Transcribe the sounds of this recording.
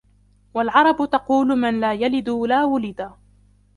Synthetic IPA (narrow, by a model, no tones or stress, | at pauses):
walʕɑɾˤɑbʊt̪ɑquːlʊmanlaːjalɪd̪ʊlaːwʊlɪd̪a